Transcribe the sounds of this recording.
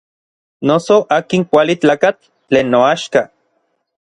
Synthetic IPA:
nosoʔaːkiŋkʷalit͡ɬaːkat͡ɬː | eːnːoaʃka

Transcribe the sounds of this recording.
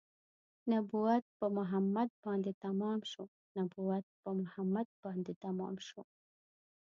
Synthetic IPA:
nabuwat̪̚pəmʊɦamːad̪̚bɑnd̪et̪amɑmʃo | nabuwat̪̚pəmʊhamad̪̚b̥ɑnd̪et̪amɑ̰mʃo

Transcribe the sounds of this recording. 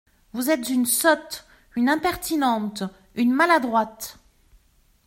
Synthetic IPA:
vuzɛt̪zynsɔt̪ | ynɛ̃pɛʁt̪inɑ̃t̪ | ynmalad̪ʁwat̪

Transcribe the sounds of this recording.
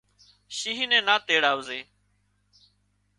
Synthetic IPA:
ʃĩːɦĩːnẽːnãːt̪eːɽaːʋzeː

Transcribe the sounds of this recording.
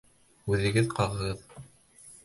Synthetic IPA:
ʉðɘ̆ɡɘðqɑʁɤ̆ʁɤð

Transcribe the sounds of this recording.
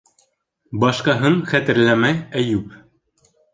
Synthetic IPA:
bɑʃqɑɦɤɴχæt̪ɘ̆ɾlæmæjæjʉp

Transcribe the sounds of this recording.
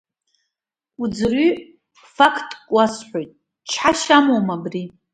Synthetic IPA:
ud͡zry | fakʰtʼkʷʼasħʷojtʼ | t͡ʃʰħaʃamowmabri

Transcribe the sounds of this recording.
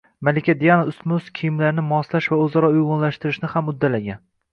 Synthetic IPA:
malɪkʲʰad̪ijanaʊst̪mʊskʲʰijɪmlaɾnɪmɒslaʃvaɵzɒɾɒʊjʁʊnlaʃt̪ɪɾɪʃnɪhamʊd̪ːalaɡʲan

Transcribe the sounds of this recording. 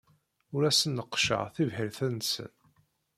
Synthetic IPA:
ʊɾæsənːəqːʃə̰ʁθivhəɾθænsə̰n

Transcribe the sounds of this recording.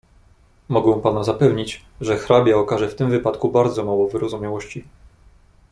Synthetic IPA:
mɔɡɛ̃w̃panazapɛvɲit͡ɕ | ʐɛxɾabʲjaɔkaʐɛft̪ɘmvɘpat̪kubaɾd̪zɔmawɔvɘɾɔzumʲjawɔɕt͡ɕi

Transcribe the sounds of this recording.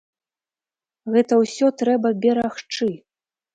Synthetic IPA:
ɣɛt̪ɐwsʲɔt̪ɾɛbɐbʲɛɾaxt͡ʂɨ

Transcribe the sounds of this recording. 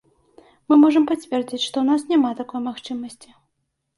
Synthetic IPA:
mɨmɔʐɐmpat͡sʲvʲɛrd͡zʲit͡sʲʂt̪ɔwnasnʲamat̪akɔjmaxt͡ʂɨmɐsʲt͡sʲi

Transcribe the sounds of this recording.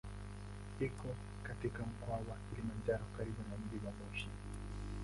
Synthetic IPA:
hikɔ | katikam̩kwawakilimand͡ʒaɾɔkaɾiɓunam̩ɗiwamɔʃi

